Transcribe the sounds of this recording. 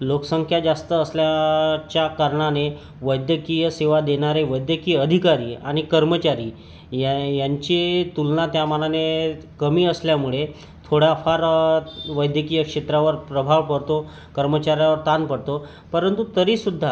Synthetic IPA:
loksəŋkʰjad͡ʑast̪əːsljat͡ɕjakaɾɳ̃ane | ʋəjd̪jəkijəseʋad̪eɽ̃aɾeʋəjd̪jəkiːəd̪ʱikaɾiːa̰ɽ̃ikəɾmət͡ɕaɾiː | jaɲt͡ɕit̪ulnat̪jamanane | kəmiːəsljamuɭe | t̪ʰoɽjafaɾʋəjd̪ʱjəkijəkʂet̪ɾaʋəɾpɾəbʱaʋpəɽt̪o | kəɾmət͡ɕaɾjaʋəɾt̪anpəɽt̪o | pəɾənt̪ut̪əɾiːsud̪ʱːa

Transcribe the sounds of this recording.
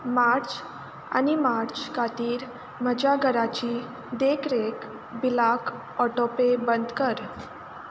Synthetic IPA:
maɾt͡s | a̰nimaɾt͡ɕkat̪iːɾ | məd͡ʑaɡʱəɾat͡ɕiː | d̪ekɾek | bilak | ɔʈopebənd̪kəɾ

